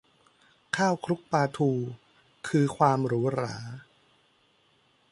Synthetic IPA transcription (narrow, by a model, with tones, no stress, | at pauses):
kʰaː˥˩wkʰɾu˦˥k̚paː˧t̪ʰuː˧ | kʰɯː˧kʰwaː˧mɾuː˦˥ɾaː˩˦